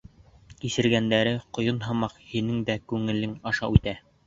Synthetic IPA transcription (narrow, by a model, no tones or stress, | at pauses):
kisɘ̆ɾɡænd̪æɾɘqŏjonɦɑmɑqhinɘŋd̪ækʉŋɘ̆lɘŋɑʃɑʉt̪æ